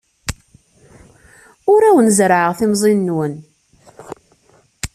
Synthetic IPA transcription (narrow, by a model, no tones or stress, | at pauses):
ʊɾæwənzɾʕəʁθimzˤinːwən